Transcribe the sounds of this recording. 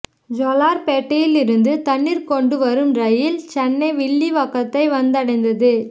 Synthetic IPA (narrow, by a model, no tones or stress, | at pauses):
d͡ʒɔlaːɾpeːʈːɐjɪlɪɾɯnd̪ɯt̪ɐɳːiɾkɔɳɖɯʋɐɾɯmɾɐjɪlt͡ʃɛnːɐɪʋɪɭːiʋɐkːɐt̪ːɐɪʋɐnd̪ɐɽɐɪnd̪ɐðɯ